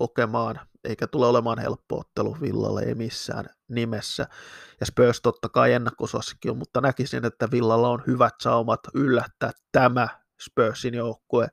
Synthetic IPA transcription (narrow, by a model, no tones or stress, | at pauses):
hokemɑːnʔḛikæt̪uleolemɑːnhḛlpːo̰o̰t̪ːelṵʋḭlːɑ̰lːḛḛimisːæ̰ːn | nimesːæ̰jɑspøːst̪ot̪ːɑkɑienːekkosɑ̰sːe̥kːiommut̪ːɑnækisḭnet̪ːæʋilːɑlːɑonhyʋæt̪sɑumɑt̪ylːæt̪ːæːt̪tæmæ | spøːsinjoukːoe